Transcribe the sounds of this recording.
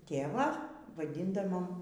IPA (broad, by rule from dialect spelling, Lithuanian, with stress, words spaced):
ˈtʲeːʋɑː ʋɐˈdʲɪndɐʋoːm